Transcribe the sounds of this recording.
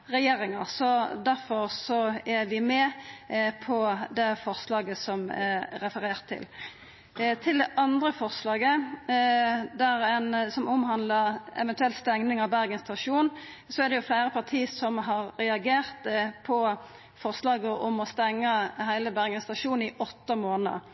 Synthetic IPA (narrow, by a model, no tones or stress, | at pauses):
ɾɛjeːɾɪŋɑsɔd̪æɾfɔɾsɔæɾʋɪmɛ | pʰɔd̪ɛfɔʁslɑːɡəsɔmɾɛfəɾeːʁt̪ʰːɪ̰l | t̪ʰɪld̪ɛʔɑnd̪ɾəfɔʁslɑːɡə | d̪æɾɛnsɔmʊmɦɑnd̪ləɾɛ̰ʋɛnt̪ʉɛlt̪st̪ɛŋnɪŋɑʋbæɾɡənst̪ʰɑʂuːn | sɔæɾd̪ɛjʊflæɪɾəpʰɑʁt̪ʰiːəsɔmɦɑɾːɛɑɡeːʁt̪pʰɔ | fɔʁslɑːɡəʔɔmɔst̪ɛŋːəhæɪləbæɾɡənst̪ɑʃuːn̩ɪʔɔt̪ːəmoːnəə̰